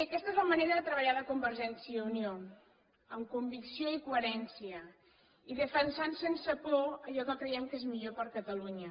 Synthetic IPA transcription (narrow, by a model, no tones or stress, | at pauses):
əkɛst̪əezləməneɾəðət̪ɾəβəʎaləkumbəɾʒɛnsiəunio | əmkumbiksioikuəɾɛnsiə | iðəfənsansensəklɔəʎɔkəkɾəjɛmkezmiʎopəɾkət̪əluɲə